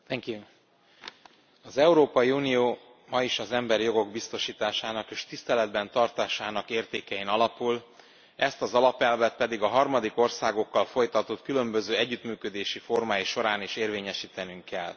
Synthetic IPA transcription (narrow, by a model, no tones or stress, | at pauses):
t̪ɛŋkju | ɒzɛuɾoːpɒjiuːnijoː | mɒiʃɒzɛmbɛɾijo̞ɡo̞ɡ̚bist̪o̞ʃiːt̪aːʃaːnɒkeːʃt̪ist̪ɛlɛd̪bɛnt̪ɒrt̪aːʃaːnɒkeːrt̪eːkɛjinɒlɒpul | ɛst̪ɒzɒlɒpɛlvɛt̪̚pɛd̪iɡɒɦɒrmɒd̪iko̞rsaːɡo̞kːɒlfo̞jt̪ɒt̪ot̪kylømbø̞zøːɛɟːyt̪myːkø̞d̪eːʃifo̞rmaːjiʃo̞ɾaːniʃeːrveːɲɛʃiːt̪ɛnyŋkːɛl